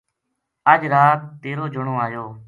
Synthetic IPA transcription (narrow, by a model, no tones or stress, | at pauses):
əd͡ʒɾaːt̪̚ːeːɾoːd͡ʒʱʊɳõːaːjoː